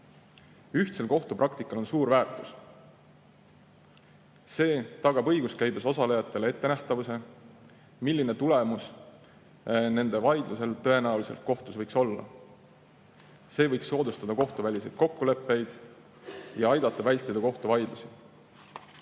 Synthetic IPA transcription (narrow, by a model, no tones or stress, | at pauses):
yht̪se̞lko̞ht̪uprɑkt̪ikːˑɑlo̞nsuːɾvæːrt̪ˑu̥s | se̞ːt̪ɑɡ̥ɑbɤ̞jɡ̥uskæjbeso̞sɑlejɑt̪ːˑe̞le̞t̪ːe̞næht̪ɑvuse̞ | milːine̞t̪ule̞mus | ne̞nd̪̥e̞vɑjd̪luse̞lt̪ɤe̞næulise̞lt̪̚ko̞ht̪usvɤjkso̞lːɑ̰ | se̞ːvɤjksːo̞ːd̪ust̪ɑd̪̥ɑko̞ht̪uvælʲise̞jd̪̚ko̞kːule̞pːe̞jd̪̥ | jɑɑjd̪̥ɑt̪ˑːɑvælʲt̪ːˑid̪̥ɑko̞ht̪uvɑjd̪̥lusi